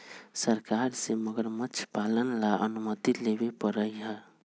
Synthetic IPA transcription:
səɾkaɾseməɡəɾmət͡ʃʰpalənlaʔə̰numət̪ilebepəɾəjɦə

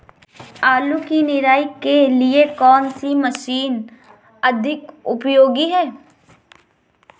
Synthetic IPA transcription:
aːlukinɪɾaːikeliekɔːnsimɐʃiːn | ɐd̪ʱɪkʊpjoːɡiɦɛː

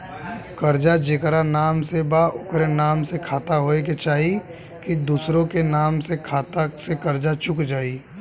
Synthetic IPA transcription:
kɐɾd͡ʒad͡ʒekɾanaːmsebaʊkɾenaːmsekʰaːt̪aɦoːek̬et͡ʃaːɦi | kid̪uːsɾõkenaːmsekʰaːt̪asekɐɾd͡ʒat͡ʃʊkd͡ʒaːiː

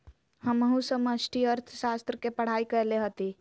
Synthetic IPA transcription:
həməɦũsəməsʈʰiəɾt̪ʰʃast̪ɾəkepəɽ̤aikəeleɦət̪i

